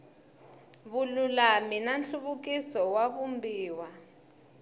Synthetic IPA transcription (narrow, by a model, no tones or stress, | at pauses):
βululaminanɬuβuk̬ʼisɔwaβumbiːwa